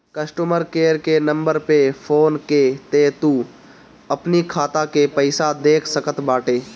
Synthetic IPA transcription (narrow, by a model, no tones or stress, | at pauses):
kɐsʈuməɾkeːɾkenɐ̃mbəɾpefʰoːnket̪et̪u | ɐpnikʰaːt̪akepɐɪsad̪eːkʰsɐkət̪baːʈeː